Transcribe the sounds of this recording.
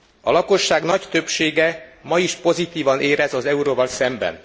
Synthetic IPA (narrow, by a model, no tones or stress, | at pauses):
ɒlɒko̞ʃːaːɡnɒct̪øpʃeːɡɛmɒiʃpo̞zit̪iːvɒnʔeːɾɛzɒzɛuɾoːvɒlsɛmbɛ̰n